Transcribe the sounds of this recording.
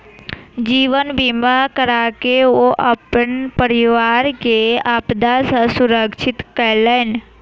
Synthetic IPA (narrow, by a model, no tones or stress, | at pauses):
d͡ʒiːʋənbimakəɾakeoʔəpənpəɾɪʋaːɾkeaːpd̪asə̃sʊɾəkʃʰɪt̪kəɾleːn